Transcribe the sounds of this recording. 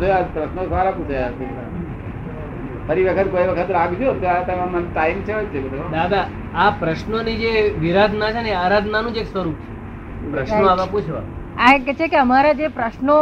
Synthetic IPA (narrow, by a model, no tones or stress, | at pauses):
d̪oapɾəʃnosaɾaput͡ʃʰajasekɾa | fəɾiʋəkʰət̪kojʋəkʰət̪ɾaɡd͡ʒot̪oat̪əmãmanʈ̪aimt͡ʃʰeɦot͡ʃʰebəd̪od̪ad̪a | apɾəʃnonid͡ʒeʋiɾad̪ʱnat͡ʃʰeneaɾad̪ʱnanũd͡ʒeksʋəɾup̚t͡ʃʰe̥ | pɾəʃnoaʋãput͡ʃʰʋa̰ | aket͡ʃʰekeəmaɾad͡ʒepɾəʃno